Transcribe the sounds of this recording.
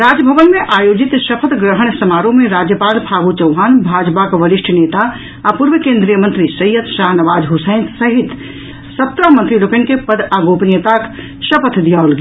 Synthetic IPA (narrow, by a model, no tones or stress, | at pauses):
ɾad͡ʒəbʱəʋənmeʔajod͡ʒit̪ʃəpʰət̪ɡɾəɦəɳ̃səmaɾõmẽɾad͡ʒjəpaːlpʰaɡut͡ʃəwɦaːnbʱad͡ʒpakʋəɾiʃʈʰənet̪aː | puɾʋəkẽnd̪ɾijəmənt̪ɾisɐjət̪ʃaɦnəʋaːd͡ʒɦusə̃ɪ̃nt̪səɦit̪ | səp̚t̪ɾəmənt̪ɾilokenkepəd̪aɡopnijət̪ak | ʃəpʰət̪ʰd̪ijalɡe